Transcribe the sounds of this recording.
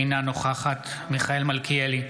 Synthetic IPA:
inanoχaχat̪miχaelmalkʰieli

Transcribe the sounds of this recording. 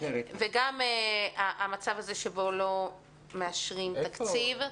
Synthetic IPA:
veɡameaʔːmat͡savazeʃebo̞lo̞ | meaʃʁimt̪akt͡siv

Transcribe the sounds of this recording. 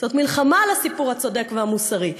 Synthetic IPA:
zo̞t̪milχamalasipuʁhat͡so̞de̞kvehamusaʁi

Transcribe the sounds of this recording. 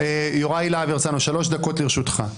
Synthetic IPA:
ejoʁajlaviʁt͡sanuʃalo̞ʃd̪ako̞tliʁʃut̪χa

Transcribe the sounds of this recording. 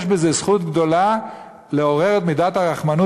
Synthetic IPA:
ʃbezesχut̪ɡd̪o̞la | leo̞ʁe̞ʁet̪mid̪at̪haʁaχmanu

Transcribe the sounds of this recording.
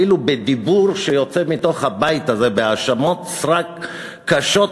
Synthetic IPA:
ilubed̪ibuʁʃejo̞t͡se̞mito̞χhabajtaze̞beaʃamo̞t̪sʁakː | aʃo̞t

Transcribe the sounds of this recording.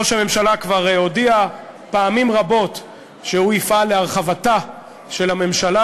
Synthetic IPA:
oʃeame̞mʃalakvaʁodiapaːmimʁabo̞t | ʃeuifaleaʁχavata | ʃe̞lame̞mʃala

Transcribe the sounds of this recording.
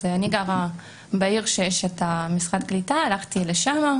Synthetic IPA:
aniɡaʁa | baiʁʃejeʃet̪amisʁad̪̚ɡlit̪aːlaχt̪ileʃama

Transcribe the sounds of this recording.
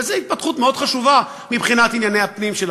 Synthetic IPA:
ezeit̪̚pat̪χut̪meo̞d̪χaʃuva | mibχinat̪injanejhapnimʃel

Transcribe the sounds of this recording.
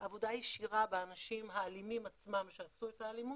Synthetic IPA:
ʔavo̞d̪ajiʃiʁabeanaʃimɦaːlimimat͡smamʃeasuet̪aːlimu

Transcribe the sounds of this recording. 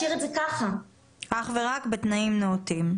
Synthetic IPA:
iʁetzekaχa | ʔaχve̞ʁakbet̪naimneotim

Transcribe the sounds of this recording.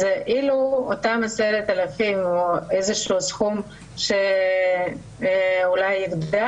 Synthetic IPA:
zeʔiluot̪amaseɾet̪alafimoezeʃusxum | ʃe | ulajiɡdda

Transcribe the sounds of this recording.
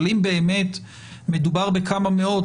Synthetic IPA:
limbeːme̞t̪ | me̞d̪ubaʁbekamame̞o̞d

